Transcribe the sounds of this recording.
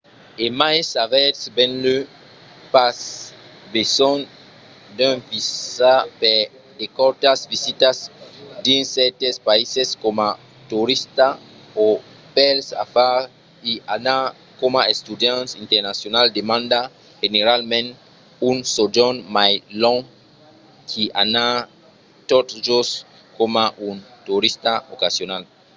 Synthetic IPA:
emajsavɛtsbɛ̃nlø | pas | besɔn | d̪ønvisape | d̪ekɔɾt̪asvisit̪asd̪insɛt̪espaiseskoma | t̪uɾist̪a | o | pɛlsa̰fa | iana | komaest̪ud̪jãnsint̪eɾnasjonald̪emãnd̪a | xeneɾalmẽn | unsod͡ʒonmajlõŋ | kʰiʔana | t̪ot̪ʒos | komaʔunt̪uɾist̪aokasjonal

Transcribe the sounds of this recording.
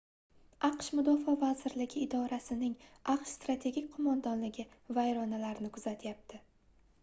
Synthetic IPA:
ɑqʃmʊd̪ɒfɒvazɪɾlɪɡʲɪːd̪ɒɾasɪnɪŋʔɑqʃst̪ɾat̪ʰe̞ɡʲikʲqʰʊmand̪ɒnlɪɡʲɪvajɾɒnalaɾɪnɪkʰʊz̥at̪ʰjap̚t̪ʰɪ

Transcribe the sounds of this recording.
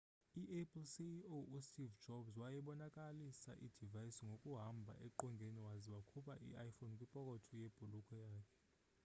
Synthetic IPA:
iʔɛpʰʼlsioustʼivd͡ʒɔbzwajɛɓɔnakʼalisa̰ʔid̥ʱivajisiŋɡʱokʼuɦambʱa̰ʔɛǃɔŋɡʱeniwaziwakʰupʰʼaʔḭajfonkʼwipʼɔkʼɔtʰɔjeb̥ʱulukʼɔjaːkʰɛ̥

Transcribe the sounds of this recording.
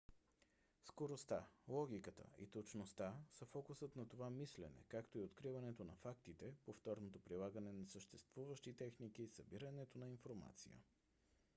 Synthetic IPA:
skoɾost̪alˠɔɡʲikət̪ə̰ḭt̪ot͡ʃnost̪asəfɔkusət̪nɐt̪ovamislɛ̰nɛ̰kakt̪oiot̪kɾivɐnɛt̪onɐfakt̪it̪ɛpoft̪ɔɾnot̪opɾilˠaɡənɛnɐsəʃt̪ɛst̪vuvəʃt̪it̪ɛxnik̟isəbiɾənɛt̪onɐinfoɾma̰t̪sḭjə̰

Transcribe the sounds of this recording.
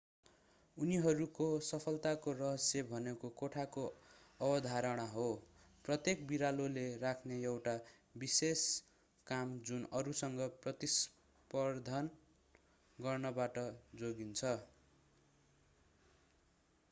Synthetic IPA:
uniɦʌɾukosʌpʰʌlt̪akorʌɦʌsjʌbʱʌnekokoʈʰakoʌbʌd̪ʱaɾʌɽ̃aɦo | prʌt̪jekbiɾalolerakʰnejewʈa | bises | kamd͡zunʌɾusʌŋɡʌprʌt̪is | pʌrd̪ʱan | ɡʌrnʌbaʈʌd͡zoɡint͡sʰʌ

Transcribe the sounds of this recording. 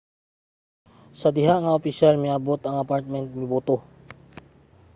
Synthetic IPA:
sɐd̪ɪɦaŋɐopɪʃalmɪabot̪ɐŋɐpaɹt̪̚mɛnt̪̚mɪbuːt̪o

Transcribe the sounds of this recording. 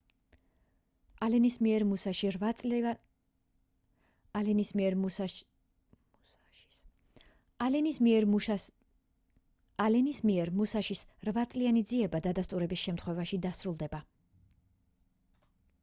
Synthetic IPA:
alɛnismiɛɾmusaʃi | lɛnismiɛɾ | alɛnismiɛɾ | alɛnismiɛɾmusaʃisɾvat̪sʼlianid̪ziɛbad̪ad̪ast̪ʼuɾɛbisʃɛmt̪ʰχwɛvaʃid̪asɾulˠd̪ɛba

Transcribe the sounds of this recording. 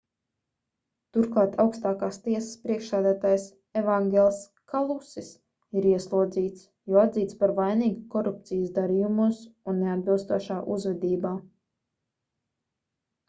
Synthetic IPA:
t̪uɾklˠɑːt̪ʰawkst̪aːkaːst̪iɛsə̥spɾiɛkʃsæːd̪æːt̪aːjs | evaŋɡʲɛlˠs | kʰalˠusis | iɾiɛslˠuɔd̪ziːt̪s | jɔad̪ziːt̪spaɾvajniːɡukɔɾup̚t̪sijzd̪aɾiːjumusunːead̪̚bilˠst̪uɔʃaːʔuzvɛd̪iːbaː

